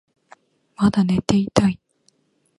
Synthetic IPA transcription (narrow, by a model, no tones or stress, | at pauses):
mad̪ane̞t̪e̞it̪ai